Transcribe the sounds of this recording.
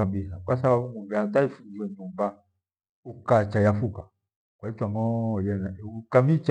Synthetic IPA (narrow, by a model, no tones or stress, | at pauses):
ambilakwasaβaβuŋɡuɡɛataifud͡ʒiwɛɲumba | ukat͡ʃajafuka | kwaitwaŋɔjɛnaukamit͡ʃ